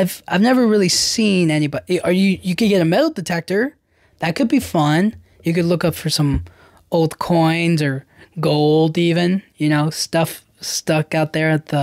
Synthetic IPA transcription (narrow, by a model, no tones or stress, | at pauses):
ɪv̥ʔaɪvnɛvə˞ɹɪlˠisĩnɛnibɑʔə˞jɨjɨkɨ̃d̚ɡɛɾɨmɛɾl̩ˠdɨtʰɛk̚tə˞ | ðɨt̚kʰɨd̚bifʌ̃n | jɨkɨdˡlʊkʌpfə˞sʌ̃m | oʊlˠdkʰɔ̃ɪ̃nzə˞ɡoʊlˠdivɨ̃njɨñoʊstʌf | stʌkaʊt̪̚ðə˞ɨt̪̚ðə